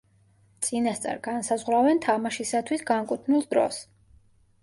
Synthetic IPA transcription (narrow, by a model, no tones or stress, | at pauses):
t̪sʼinast̪sʼɛ̰ɾɡansazʁwɾavɛnt̪ʰamaʃisat̪ʰwisɡaŋkʼut̪ʰnilˠd̪ɾɔ̰s